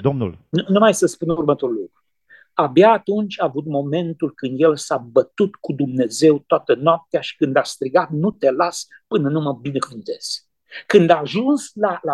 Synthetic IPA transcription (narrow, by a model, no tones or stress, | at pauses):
d̪omnṵlnunumajsəspunurmət̪o̞ɾulukɾu | abjaːt̪unt͡ʃʲaːvut̪mo̞me̞nt̪ulkɨnd̪jelsabət̪ut̪kud̪umne̞ze̞wt̪oat̪ənoap̚t̪eaʃi̥kɨnd̪ast̪ɾiɡat̪nut̪e̞las | pɨnənuməbinekuvint̪e̞z̥ | kɨnd̪aːʒunslala